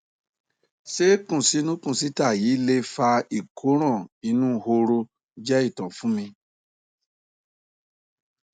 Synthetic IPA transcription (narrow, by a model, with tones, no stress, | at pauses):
se˦kũ˦˨si˨˦nũ˦kũ˦˨si˨˦ta˦˨jiː˨˦le˦fa˧i˨kʰo˨˦ɾ̃ɔ̃˦˨i˧nũ˦ho˧ɾo˧ | d͡ʒɛ˦i˦˨tɔ̃˨fũ˦mĩ˧